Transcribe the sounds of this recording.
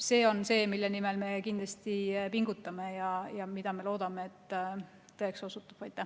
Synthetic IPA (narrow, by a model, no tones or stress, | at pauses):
se̞ːo̞nse̞ːmilːenime̞lme̞kind̪lɑst̪ipiŋɡut̪ːˑɑme̞jɑjɑmid̪̥ɑme̞lo̞ːd̪̥ɑmeːt̪ː | ɤekso̞sut̪ːˑu̥b̥ɑjt̪ːˑæ